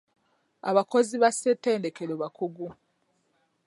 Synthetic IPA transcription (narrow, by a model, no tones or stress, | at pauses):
a̰βako̞ziβasetːe̞ːnde̞keloβakuɡu